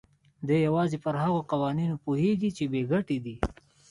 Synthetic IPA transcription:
d̪ejawɑːzepəɾɦaɣoqawɑːninopuheɡit͡ʃebeɡaʈid̪i

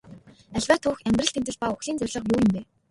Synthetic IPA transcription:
æɮʲwæːt̪ʰuːxæmʲt̪rə̆ɬt̪ʰem̥t̪ɘ̆ɮ̚pauxɮiːnt͡sœrʲɮə̆qmuːjɪ̆mp̪eː

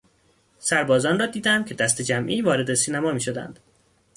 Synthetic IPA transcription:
sæɾbɒːzɒːnrɒːd̪iːd̪æmcʲʰe̞d̪æst̪e̞d͡ʒæmʔiːvɒːɾe̞d̪esiːnæmɒːmiːʃo̞d̪æ̰nd̪̥

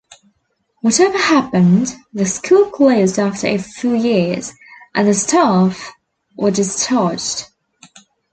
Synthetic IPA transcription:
wɒtɛvəhapə̃nðəskʰulˠkʰl̥oʊzdɑˑftəɹə̰fjʉːjɪz̥ | ʔə̃nðəstʰɑˑf | wʔədɪst͡ʃʰɑˑd͡ʒd̥

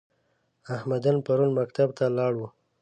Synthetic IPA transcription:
ahmad̪anpaɾunmakt̪abt̪alɑɽwu

